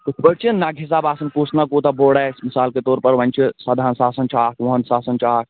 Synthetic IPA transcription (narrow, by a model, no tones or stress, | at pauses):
upəɾt͡ʃinːaːɡʱis̬aːbaːsɐnkuːsnakuːt̪ɐboːɽaːsmisaːlket̪oːɾpɐɾʋɐnʲt͡ʃʰisɐd̪ʱaːnsaːsɐnt͡ʃʰaːkʋɐɦənsaːsɐnt͡ʃʰaːk̚